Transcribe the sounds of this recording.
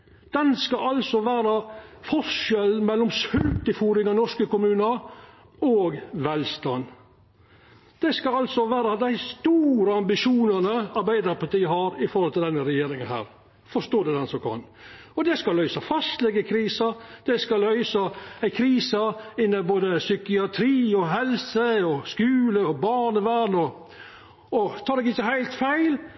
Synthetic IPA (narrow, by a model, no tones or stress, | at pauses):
d̪̥ɛnskɑɑlsɔʋæːɾɑfɔʂɛlmɛlːɔmshʉlt̪ɪfuːɾɪŋɑnɔʂkəkʊmʉːnəɾ | ɔːɡʋɛlst̪ɑn | d̪̥ɛskɑɑlsɔʋæːɾɑd̪æɪst̪uːɾəɑmbɪʃuːnənəɑɾbæɪd̪əɾpɑt̪iːəɦɑɾɪfɔɾhɔlt̪ʰɪld̪ɛnːəɾɛjeːɾɪŋənɦhæ̰ːɾ | fɔʂt̪oːd̪ɛd̪ɛnsɔmkʰɑ̰n | ɔd̪ɛskɑlœʏsɑfɑst̪lɛɡəkʰɾiːsɑd̪̥ɛskɑlœʏsɑæɪkʰɾiːsɑɪnːəboːd̪əsʏkɪɑt̪ʰɾiːɔɦɛlsəɔskʉːləɔbɑːɳəʋænɔ | ɔt̪ʰɑːd̪ɛɡɪçːəɦæɪlt̪fæɪl